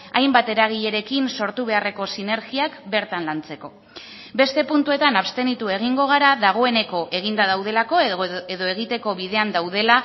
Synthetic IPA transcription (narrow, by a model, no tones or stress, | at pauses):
ajmbat̪e̞ɾaɣ̞iʎe̞ɾe̞kinso̞ɾt̪uβ̞e̞are̞ko̞sine̞ɾɣiakbe̞ɾt̪anlant͡se̞ko̞ | be̞st̪e̞punt̪ue̞t̪anaβst̪e̞nit̪ue̞ɣ̞iŋɡo̞ɣ̞aɾaðaɣ̞o̞e̞ne̞ko̞ʔe̞ɣ̞ind̪aðawðe̞lako̞eðo̞e̞ɣit̪e̞ko̞βiðe̞and̪awð̞e̞la